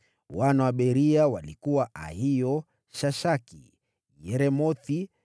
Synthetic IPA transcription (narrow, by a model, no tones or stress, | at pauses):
wanawaɓɛɾiawalikuwaʔa̰ɦijɔ | ʃaʃakḭ | jɛɾɛmɔθi